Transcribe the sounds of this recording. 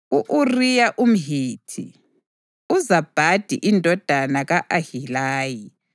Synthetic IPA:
uʔurijaʔum̩ɦiːtʰḭ | uzab̥ʱad̥ʱḭʔindʱɔd̥ʱanaɣaʔahilaːji

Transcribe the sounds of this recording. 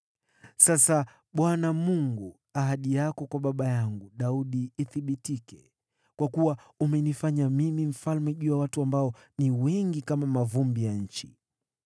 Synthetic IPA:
sasa | ɓwanamuŋɡu | aɦaɗijakɔkwaɓaɓajaŋɡuɗauɗiːθiɓitikɛ | kwakuwa | umɛnifaɲamimim̩falmɛʄujawatuambaɔ | niwɛŋɡikamamavumbijaɲ̩t͡ʃḭ

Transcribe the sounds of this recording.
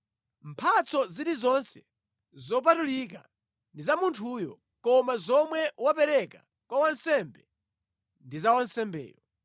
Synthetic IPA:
m̩pʰat͡sɔziɾizɔnsɛ | zɔp̬atulik̬a̰ | ndizamuntʰujɔ̰ | kɔmazɔmwɛwapɛɾɛka | kwawansɛmbɛ | ndizawansɛmbɛ̰ːjɔ

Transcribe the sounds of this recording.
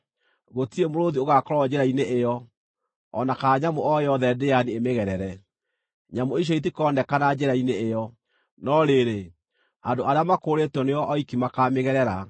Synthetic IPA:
ɣotiemoɾoðioɣakɔɾɔd͡ʒeɾaineʔejɔ | ɔnakaɲamoɔjɔðɛdeaniemeɣɛɾɛɾɛ | ɲamoiɕ̬ɔit̬ikɔndɛkanad͡ʒɛɾaineːjɔ | nɔɾeɾe | andoʔaɾeamakoɾetwɔneɔʔɔikimakameɣɛɾɛɾa

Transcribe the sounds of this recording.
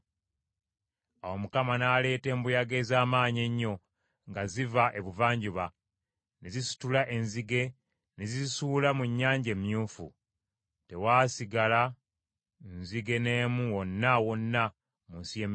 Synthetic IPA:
awo̞mukamanaːle̞ːte̞ːmbujaɡe̞zaːmaːɲe̞ɲːo̞ | ŋɡazivaʔe̞βuvaːɲɟuβa | nezisu̥tulaʔe̞nziɡe̞ | nezisuːlamuɲːaːɲɟe̞mjuːfṵ | te̞waːsiɡala | nziɡe̞ne̞ːmuwo̞nːawo̞nːa | munsijem

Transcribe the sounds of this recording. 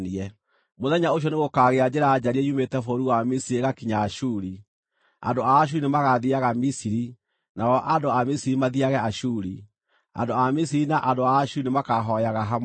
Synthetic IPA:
niɛ | moðɛɲaoʃ̬jɔneɣokaːɣead͡ʑeɾaːd͡ʑaɾiɛjumetɛfoɾuwamisiɾeɣakiɲaːɕuɾi | a̰ndoaːɕ̬uɾinemaɣaðiaɣamisiɾi | nawɔʔandoamisiɾimaðiaɣɛaɕuɾi | a̰ndoamisiɾinaʔandoaːʃuɾinemakaɦɔjaɣaɦam

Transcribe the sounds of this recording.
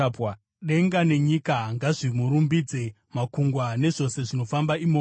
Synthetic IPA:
p | ɗe̞ŋɡane̞ɲikaŋɡaʐimuɾumbid͡ze̞ | makuŋɡwane̞ʐo̞se̞ʐino̞fambaimo

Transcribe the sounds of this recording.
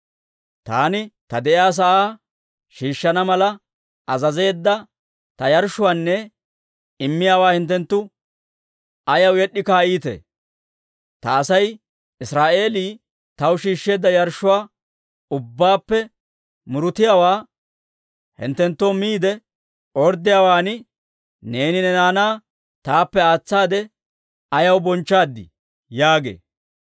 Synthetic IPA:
t̪a̰ːnɪt̪ɐd̪ɛʔjaːs̬ɐʔaː | ʃiːʃːɐnɐmɐlɐ | ɐzɐze̞ːd̪ːɐ | t̪ɐjɐɾʃːʊwaːnːɛ | ɪmːɪjaːwaːhɪnt̪ːɛnt̪ːʊ | ɐjɐwjɛɗːɪkaːiːt̪ḛ | t̪ɐːsɐj | ɪsɾaːʔe̞ːliː | t̪ɐwʃiːʃːe̞ːd̪ːɐjɐɾʃːʊwaː | ʊbːaːpːɛ | mʊɾʊt̪ɪjaːwaː | hɪ̰nt̪ːɛnt̪ːoːmiːd̪ɛ | ɔɾd̪ːɪjaːwaːnɪ | ne̞ːnɪnɛnaːnaː | t̪aːpːɛaːt͡sːaːd̪ɛ | ɐjɐwbɔnt͡ʃːaːd̪ːɪ̰ | jaːɡḛː

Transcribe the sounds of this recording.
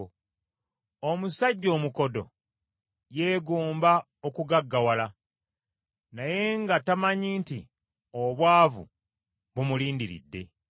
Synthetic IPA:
omusaɟːo̞ːmuko̞do̞̰ | je̞ːɡuːmba | okuɡaɡːawala | naje̞ŋɡatamaɲiːnti | oβwaːvṵ | βumuliːndiɾḭdːe̞̰

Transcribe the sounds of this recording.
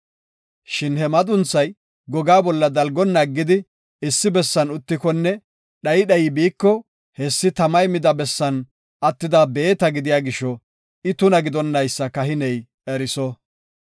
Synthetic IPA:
ʃɪnhɛmɐt̪ʼʊnt͡sːɐj | ɡɔɡaːbɔlːɐd̪ɐlɡɔnːaɡːɪd̪ɪ | ɪsːɪbɛsːɐnʊt̪ːɪkɔnːɛ | ɗɐjɗɐjɪbiːkːɔ | hɛsːɪt̪ɐmɐjmɪd̪ɐbɛsːɐn | ɐt̪ːɪd̪abe̞ːt̪ɐɡɪd̪ɪjaːɡɪʃːɔ | ɪt̪ʊnɐɡɪd̪ɔnːɐjsːɐkɐɦɪnɛj | ɛɾɪsɔ

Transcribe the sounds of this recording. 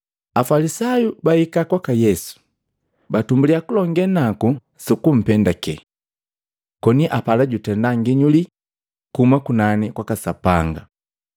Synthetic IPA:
afalisajubaikakwakajɛsu̥ | batumbuliakulɔŋɡɛnaku | sukum̩pɛndakɛ | kɔniʔapalaɟutɛndaŋɡiɲuli | kumakunanikwakasapaŋɡa

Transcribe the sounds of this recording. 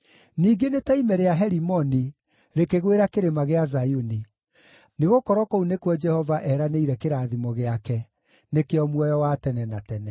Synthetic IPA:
niːɡenetaimɛɾeaɦɛɾimɔni | ɾekeɣweɾakeɾemaɣeazajuni | neɣokɔɾwɔkounekwɔd͡ʒɛhɔvaʔɛːɾaneiɾɛkeɾaːðimɔɣeakɛ | nekeɔmwɔjɔwatɛnɛnatɛnɛ

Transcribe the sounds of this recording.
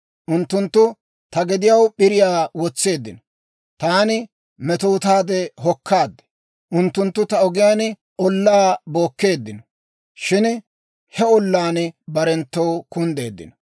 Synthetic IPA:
ʔʊnt̪ːʊnt̪ːʊ | t̪ɐɡɛd̪ɪjɐwɓɪɾɪjaːwɔt͡sːe̞ːd̪ːɪnɔ̥ | t̪aːnɪ | mɛt̪oːt̪aːd̪ɛɦɔkʰːaːd̪ːɛ̥ | ʔʊnt̪ːʊnt̪ːʊt̪ɐɔɡɪjaːn | ʔɔlːaːbo̞ːkːe̞ːd̪ːɪnɔ̥ | ʃɪn | hɛɔlːaːnbɐɾɛnt̪ːɔwkʊnd̪e̞ːd̪ːɪ̰nɔ

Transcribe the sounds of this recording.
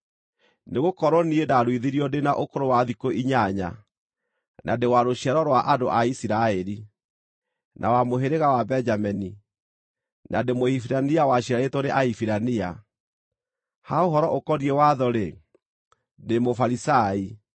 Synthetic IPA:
neɣokɔɾwɔniedaɾwiðiɾiɔdenaʔokoɾowaðikoiɲaɲa̰ | nʔadewaɾoɕiɛɾɔɾwaʔado̰ʔaisiɾaɛɾi | nʔa̰wamoɦeɾeɣawabɛnd͡ʒamɛni | nademoifiɾaniawaɕiɾaetɔɾeʔaifiɾania | haoɦɔɾɔʔokɔɾiɛwaðɔɾe | demofaɾisai

